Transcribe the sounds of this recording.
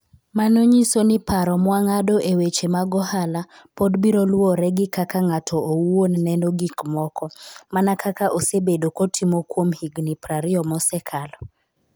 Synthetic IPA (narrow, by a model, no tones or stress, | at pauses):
manoɲisonɪpaɾɔmwaŋadoʔewet͡ʃemaɡɔhala | podbiɾolwɔɾɛɡɪkakaŋatʰɔowonnɛnoɡikmɔkɔmanakʰakaʔosebedokotʰimokwomhiɡnipɾaɾɪɔmɔsɛkʰalɔ